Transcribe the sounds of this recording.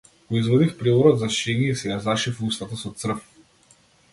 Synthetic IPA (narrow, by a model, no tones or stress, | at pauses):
kɔizvɔd̪ifpɾivɔɾɔd̪zaʃɛniɛisɛjazaʃifust̪at̪asɔt̪sr̩f